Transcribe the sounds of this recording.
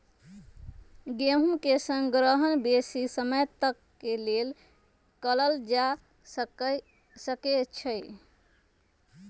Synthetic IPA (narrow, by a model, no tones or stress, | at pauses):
ɡeɦumkesə̃ŋɡɾəɦənbesisəməjt̪əkːelel | kələld͡ʒa | səket͡ʃʰəj